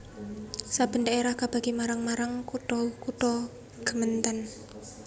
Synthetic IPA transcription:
sab̥ə̤ndaeɾahkab̥a̤ɡ̥imaɾaŋmaɾaŋkuʈɔkuʈɔ | ɡ̥ə̤mənt̪ən

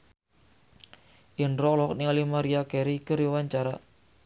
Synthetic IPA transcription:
ʔinɾɔlɔɔknialimaɾiakeɾikəɾiwaɲt͡ʃaɾa

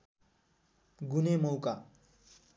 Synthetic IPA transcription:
ɡunemʌwka

